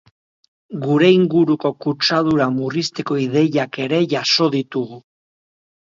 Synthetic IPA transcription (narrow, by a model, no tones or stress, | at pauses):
ɡuɾe̞iŋɡuɾuko̞kut͡ʃaðuɾamurist̪e̞ko̞ið̞e̞jake̞ɾe̞ʝaso̞ð̞it̪uɣu